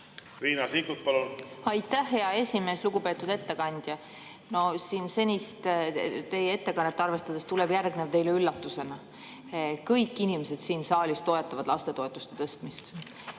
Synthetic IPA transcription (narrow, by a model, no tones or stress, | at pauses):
riːnɑsikut̪̚pɑlunɑjt̪ːˑæhːe̞ɑe̞sʲime̞ːsluɡ̥upe̞ːt̪ːˑud̪e̞t̪ːe̞kɑnʲd̪̥ʲjɑ | no̞siːnse̞nʲist̪t̪e̞jee̞t̪ːe̞kɑnːet̪ːeɑrve̞st̪ɑd̪̥est̪uleb̥jærɡnevt̪e̞jleylːɑt̪ːˑuse̞nɑ | kɤjkːˑinimese̞d̪̥siːnsɑːlʲist̪o̞e̞t̪ːˑɑvɑd̪lɑst̪e̞t̪o̞e̞t̪ːˑu̥st̪e̥t̪ɤst̪mist̪